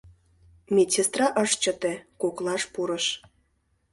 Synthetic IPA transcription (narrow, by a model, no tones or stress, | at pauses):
mʲesest̪rɑʔəʃt͡ɕə̆t̪ĕkoklɑʃpuɾəʃ